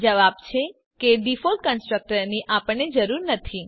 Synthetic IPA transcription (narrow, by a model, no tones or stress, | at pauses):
d͡ʒəʋabt͡ʃʰe | keɖifol̚kənsʈɾək̚ʈəɾniʔapəɳːed͡ʒəɾuɾnət̪ʰi